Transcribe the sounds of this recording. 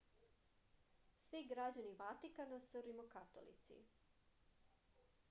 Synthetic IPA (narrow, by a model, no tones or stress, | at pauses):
sʋiɡɾad͡ʑaniʋat̪ikanasuɾimokat̪o̰lḭt̪sḭ